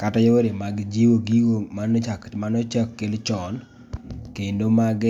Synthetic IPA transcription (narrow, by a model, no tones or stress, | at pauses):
katɔjooɾemaɡd͡ʒiwoɡiɡomanɔt͡ʃakmanɔt͡ʃakːelt͡ʃɔn | kendomaɡ